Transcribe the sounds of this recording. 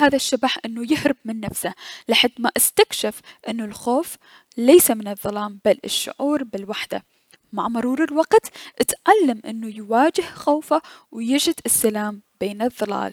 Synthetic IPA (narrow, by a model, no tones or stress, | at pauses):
haːðaʃːabaħʔɪnːʊjɪhɾɪbmɪnːafsalɪħad̪maʔast̪akʃafʔɪnːʊlxoːf | lejsamɪnɨðˤːɑlɑːmbalɪ̰ʃːʊ̰ʕuːɾbɪlwaħd̪a̰ | maʕmʊɾˤuːɾɪlwɑqt̪ʔɪt̪ʕalːamʔɪ̰nːujwaːd͡ʒɪhxoːfawjɪd͡ʒɪd̪ɪsːalaːmbeːnɨðˤːɑla̰ːl